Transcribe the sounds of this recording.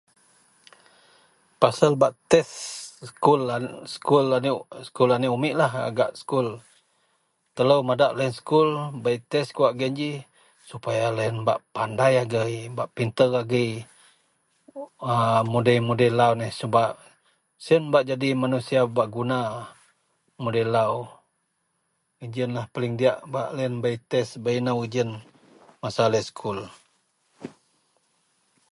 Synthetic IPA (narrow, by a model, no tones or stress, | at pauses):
pasalbaʔt̪ɛskulaskulanskulaniʔumiʔlaɦa̰ɡaʔsə̥kul | t̪ələwmadaʔlaənsə̥kulbait̪ɛskuwaʔɡəɲd͡ʒi | supajalaənba̰ʔpandajaɡəjbaʔpint̪əraɡəj | əmudəjmudəjlawnəhsəbaʔ | siənbaʔd͡ʒadimanusiabaʔɡuna | mudəjlaw | id͡ʒənlahpalɪŋdiaʔbaʔlaənbait̪ɛsbainawid͡ʒən | masaləskʰul